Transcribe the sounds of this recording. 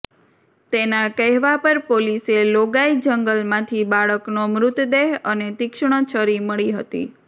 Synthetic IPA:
t̪enakəɦʋapəɾpoliseloɡaid͡ʒəŋɡəlmãt̪ʰibaɭəknomɾʊt̪d̪eɦənet̪ɪkʃɳ̃ət͡ʃʰəɾiməɭiɦət̪ḭ

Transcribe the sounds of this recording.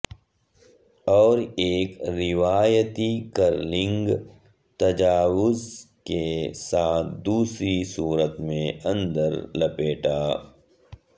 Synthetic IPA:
ɔːɾeːkɾɪʋaːjət̪ikəɾlɪ̃ŋɡ | t̪ɐd͡ʒaːwʊzkesaːt̪̚ʰd̪uːsɾisuːɾət̪mẽɐ̃nd̪əɾlɐpeːʈaː

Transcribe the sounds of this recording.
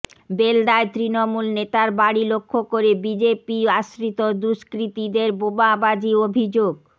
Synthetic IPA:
belɖaet̪ɾinomulnet̪aɾbaɽilokʰːokoɾebid͡ʑepiaʃɾit̪od̪uʃkɾit̪id̪eɾbobabad͡ʑiobʱid͡ʑoɡ

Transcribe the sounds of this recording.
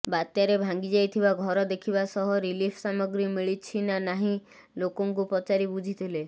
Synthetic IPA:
bat̪jaɾebʱaŋɡid͡ʒajt̪ʰibaɡʱɔɾɔd̪ekʰibasɔɦɔɾilipʰsamɔɡɾimiɭit͡ʃʰinanaɦĩ | lokɔŋkupɔt͡ʃaɾibud͡ʒʱit̪ʰile

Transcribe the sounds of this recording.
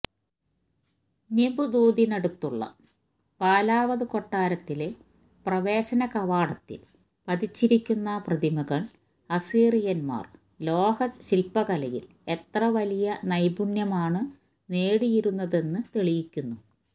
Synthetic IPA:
nebud̪uːd̪inɐɽut̪ːuɭːɐ̰ | paːlaːʋɐðɨko̞ʈːaːɾɐt̪ːile̞ | prɐʋe̞ːɕɐnɐkɐʋaːɽɐt̪ːḭl | pɐðit͡ɕːiɾikʲːunːɐprɐðimɐɣɐɭ | ɐsiːrijɐnma̰ːr | lo̞ːhɐsɕilpɐɣɐlɐjḭl | e̞t̪rɐʋɐlijɐnɐjbuɳjɐmaːɳɨ | neːɽijiɾunːɐðe̞nːɨt̪eɭijikʲːunːu

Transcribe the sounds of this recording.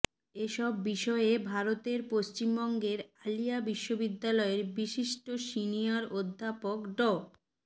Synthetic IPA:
eʃɔbːiʃɔebʱaɾot̪eɾpoʃt͡ɕimbɔŋɡeɾalijabiʃːobid̪ːalɔeɾbiʃiʃʈosinijaɾod̪ʱːapokɖɔ

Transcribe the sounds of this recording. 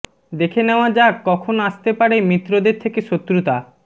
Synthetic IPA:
d̪ekʰeneoad͡ʑakɔkʰonaʃt̪epaɽemɾit̪ːɾod̪eɾt̪ʰekeʃot̪ːɾut̪a

